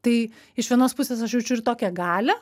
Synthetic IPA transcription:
t̪ɐɪ | ɪʃʋʲiɛnoːspʊsʲeːsɐʃjɛʊt͡ʃʲʊɪɾt̪oːkʲɛɡɑːlʲɛ

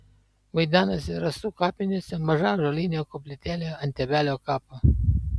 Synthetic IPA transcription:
wujd̪anəseɾəst̪ukapinʲesəməʒaʒolineəkoplit̪ʲelʲəɨnt̪ʲebaleokapə

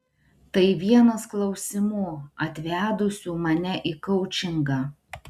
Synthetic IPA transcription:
t̪ɐɪʋʲiɛnɐsklˠɒʊsʲɪmuːɐt̪ʲʋʲæːd̪ʊsʲuːmɐnʲɛʔɪkɐʊt͡ʃʲɪŋɡɑː

